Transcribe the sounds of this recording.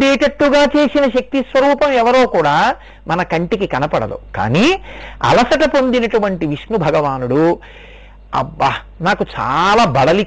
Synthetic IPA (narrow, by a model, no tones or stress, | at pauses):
d̪eːʈɐʈluɡaːt͡ʃe̞ːsinɐʃɐk̚t̪isʋɐɾuːpɐmɛʋɐɾoːkuːɽaː | mɐnɐkɐɳʈikikɐnɐpɐɽɐ̰d̪ṵka̰ːniːɐ̰lɐsɐʈɐpo̞nd̪inɐʈuʋɐɳʈiʋiʂnubʱɐɡɐʋaːnuɽu | ɐ̰bɐ | naːkut͡ʃa̰ːlaːbɐɽɐli